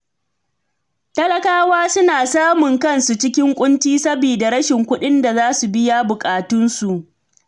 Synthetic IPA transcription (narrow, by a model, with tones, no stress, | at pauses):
tɐ˦lɐ˦kaː˦waː˦sʊ˦naː˨saː˦mʊ˨ŋkɐ˦nsu˨t͡ʃɪ˦kʲɪ˦ŋkʷʼʊ˦ntiː˦sɐ˦biː˨da˨ɾɐ˦ʃɪ˨ŋkʷʊ˦ɗɪ˦nda˨zaː˦su˨bɪ˦jaː˦bʊ˨kʼaː˨tʊ˦nsu˨ʔ